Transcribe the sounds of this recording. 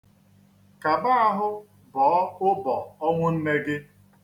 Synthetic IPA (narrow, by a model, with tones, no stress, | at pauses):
ka˨ba˦a˦ɦʊ˦ | bɔː˨ɔ˦ʊ˦bɔ˨ɔ˦ŋʷʊ˦m̩˦me˦ɡɪ˦